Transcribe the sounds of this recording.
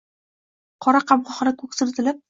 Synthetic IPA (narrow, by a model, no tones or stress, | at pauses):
qʰɒɾaqɑmʁɒχɾɪkʰɵksɪɾt̪ʰɪlɪp̚